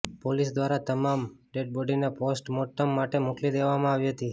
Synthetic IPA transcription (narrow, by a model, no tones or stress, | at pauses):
polisd̪ʋaɾat̪əmamɖeɖ̚bɔɖineposʈmoʈːəmːaʈemoklid̪eʋamãaʋiɦət̪i